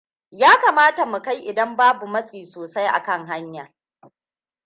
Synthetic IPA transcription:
jaː˦kaː˨maː˦ta˨mu˨ka˦jʔɪ˨dɐ˦mbaː˦bu˨mɐ˦sʼiː˨soː˨sa˦jʔa̰˨kɐ˦ŋɦa˦ɲjaː˨

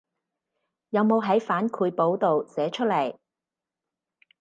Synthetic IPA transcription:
jɐ˨˧wmo˨˧wɦɐ˨˥jfaː˨˥nkʰuː˨˧jpo˨˥wt̪o˨wsɛː˨˥t͡ʃʰɵ˥t̚lɐ˨˩j

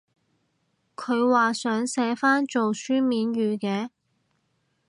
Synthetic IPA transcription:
kʰɵ˨˧ɥwaː˨sœː˨˥ŋsɛː˨˥faː˥nt͡ʃo˨wsyː˥miː˨˧nɥyː˨˧kɛː˨˧

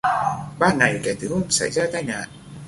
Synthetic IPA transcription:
ɓaː˧˩ŋa˨˩jkɛ˨˧˩t̪ʰɨ˨˦ho˧˩ŋ͡msa̰˧˩jzaː˧t̪aː˧˨jɲa̰ː˧˨ʔ

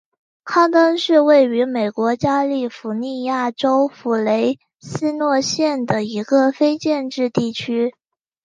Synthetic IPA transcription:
kʰɑ˥ŋt̪ɤ˥ŋʂɻ̩˥˧we˥˩ɪy˧˥me˨˩ɪkwɔ˧˥t͡ɕja˥li˥˩fu˧˥ni˥˧ja˥˩ʈ͡ʂo˥ʊfu˧˥le˧˥ɪ | sɹ̩˥nwɔ˥˧ɕjɛ˥˩nd̪ə˩i˧˥ɡə˧fe˥ɪt͡ɕjɛ˥˧nʈ͡ʂɻ̩˥˧t̪i˥˩t͡ɕʰy˥

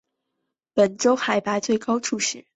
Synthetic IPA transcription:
pə˨˩nʈ͡ʂo˥ʊxa˨˧˩ɪpa˧˥ɪt͡swe˥˩ɪkɑ˥ʊʈ͡ʂʰu˥˧ʂɻ̩˥˩˦

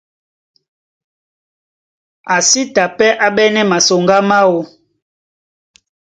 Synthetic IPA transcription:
a˨si˦ta˨pɛ˦ʔa˦ɓɛ˦nɛ˦ma˨so˨ŋɡa˦ma˦wo˨

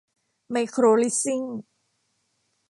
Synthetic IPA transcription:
ma˧jkʰɾoː˧li˦˥si˥˩ŋ

